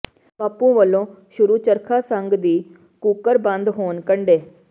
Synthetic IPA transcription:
paːpũːʋəlːõː | ʃʊɾuːt͡ʃəɾkʰaːsəŋɡd̪iː | kuːkəɾbə̃nd̪ɦoːnkəɳɖeː

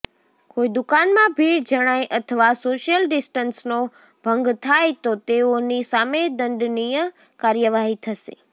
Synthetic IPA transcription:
koid̪ukanmãbʱiɾd͡ʒəɽ̃ajʔət̪ʰəʋasoʃjəlɖɪsʈənsno | b̥ʱə̃ŋɡt̪ʰajt̪ot̪eonisamed̪ə̃nd̪nijə | kaɾjəʋaɦit̪ʰəʃḛ

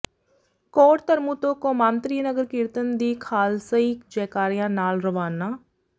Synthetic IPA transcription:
kɔːɾt̪əɾmuːt̪õːkõːmãːnt̪ɾiːnəɡəɾkɪɾt̪ənd̪iːkʰaːlsəiːkd͡ʒɛːkaːɾijãːnaːlɾəʋaːnaː

